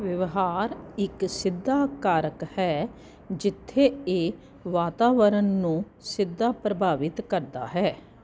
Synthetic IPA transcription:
ʋəʋɦaːɾɪksɪd̪ːaːkaːɾəkhɛː | d͡ʒɪt̪ʰːeːeː | ʋaːt̪aːʋəɾənːũː | sɪd̪ʱːaːpɾəbʱaːʋɪt̪kəɾd̪a̰ːɦɛː

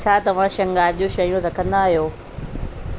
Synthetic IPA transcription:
t͡ɕʰaːt̪ɐʋ̤ãʃɐ̃ŋɡaːʄoʃɐjũt̪ɐkɐ̃nd̪aːɦjoː

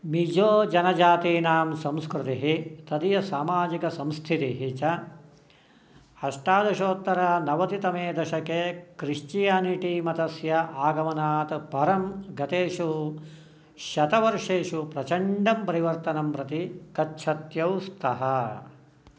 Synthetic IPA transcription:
mid͡ʒoːd͡ʒɐnɐd͡ʒaːt̪iːnaːmsɐ̃mskɾt̪iɦit̪ɐd̪ijɐsaːmaːd͡ʒikɐsɐmsk̪ʰit̪iɦit͡ʃɐ | hɐʂʈaːd̪ɐʃoːt̪ːɐɾɐnɐʋɐt̪it̪ɐmeːd̪ɐʃɐkeːkɾiʂt͡ʃijaːniʈimɐt̪ɐsjɐʔaːɡɐmɐnaːt̪pɐɾɐmɡɐt̪eːʃu | ʃɐt̪ɐʋɐɾʂeːʃupɾɐt͡ʃɐɳɖɐmpɐɾiʋɐɾt̪ɐnɐmpɾɐt̪ikɐtːʃʰɐt̪jɐwst̪ʰɐɦɐ

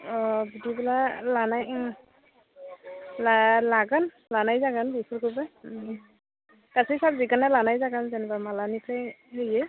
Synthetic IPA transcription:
ɔbudibɛlalanaj | lalaɡɔn | lanajzaɡanbipʰɔɹkʰuba | kasɛsabzikanalanajzaɡanzɛnɛbamalanipʰajɦejɛ

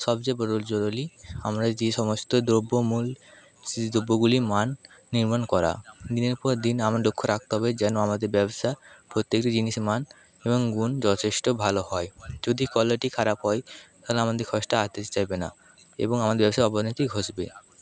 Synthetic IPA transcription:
ʃɔbd͡ʑebɔɾold͡ʑoɾoliamɾad͡ʑeʃɔmost̪od̪ɾobːomul | d̪ɾobːoɡulimanːiɾmankɔɾa̰d̪ineɾpɔɾd̪inamɾaɖokʰːoɾak̚ʰt̪oɦɔbed͡ʑɛnoamad̪eɾbɛboʃapɾot̪ːekʈid͡ʑiniʃeman | eboŋɡund͡ʑɔt̪ʰeʃʈobʱalohɔed͡ʑod̪ʱikɔleʈikʰaɾapɦɔet̪aleamad̪eɾkʰɔʃʈaat̪et͡ɕajbena̰ | ḛboŋamad̪eɾbɛboʃaeɔbonɔjt̪iɡʱoʃbḛ

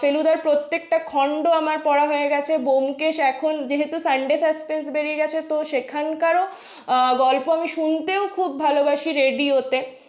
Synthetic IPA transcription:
felud̪aɾpɾot̪ːek̚ʈakʰɔɳɖoamaɾpɔɽaɦoeɡɛt͡ɕʰebomkeʃɛkʰond͡ʑeɦet̪usaɳɖesɐspensbeɾieɡɛt͡ɕʰet̪oʃekʰankaɾo | ɡɔlpoamiʃunt̪eokʰubːʱalobaʃiɾeɖiɦot̪e

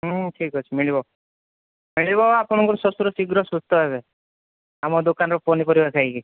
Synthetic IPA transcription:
ʈʰikɦɔt͡ʃʰimiɭibɔ | miɭibɔapɔɽ̃ɔŋkɔɾɔsɔsuɾɔsiɡɾɔsust̪ɔɦebe | amɔd̪okanɔɾɔponipɔɾibaɾkʰaɡi

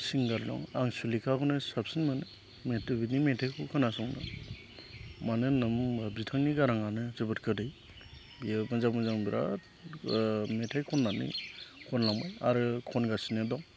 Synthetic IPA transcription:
siŋɡaɾdɔ̰ŋaŋsulikʰakɔnɯsap̚sinmanɯ | metbinimetʰajkʰɔkʰɯnasɔŋna̰ | manɯnɯmabitʰaŋniɡaɾaŋanɯzɯbɯtkʰɯdɯj | bibanzakmanzaŋbiɾa̰ | metʰajkʰɔnːanḭkʰɔnlaŋbajaɾɯkʰɔnɡasinɯdɔŋ

